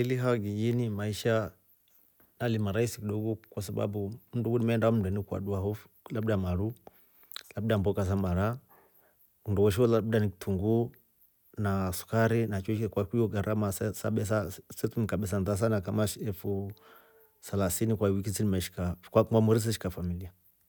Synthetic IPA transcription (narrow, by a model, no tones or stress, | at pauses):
iliɦawaɡijinimaiʃa | nalimaɾaisikiɗɔɡɔkwasaba̰bumuduɡunimɛndaɔm̩unduɛnikwa̰ɗuahɔf | labdamaɾu | lab̚dambɔkas̬amaɾa | kunduwɔʃ̬iɔlabdaniktʰuŋɡu | nasu̥kaɾinat͡ʃɔt͡ʃkɛkwakiɔɡaɾʔamassaɓɛs̬asɛtumikaɓɛs̬anðas̬anakamaʃɛfu | salasinikwawik̬isinimɛʃi̥kakwaamuɾis̬ɛʃi̥kafamilia